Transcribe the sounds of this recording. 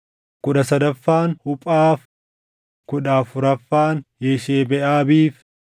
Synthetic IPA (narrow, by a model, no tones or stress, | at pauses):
kʊᶑɐsɐd̪ɐfːaːnhʊpʼaːf | kʊᶑaːfʊɾɐfːaːnjeʃeːbɛʔaːbiːf